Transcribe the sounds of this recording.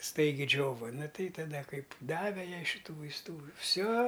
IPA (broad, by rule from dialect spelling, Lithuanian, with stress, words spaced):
ˈstɐɪɡʲɪ ˈd͡ʒʲoːʋɐ ˈnʊ ˈtɐɪ tɐˈdɐ ˈkɐɪp ˈdɑːʋʲɛ ˈjɛɪ ʃʲɪˈtuː ʋɐɪsˈtuː ˈfʲsʲoː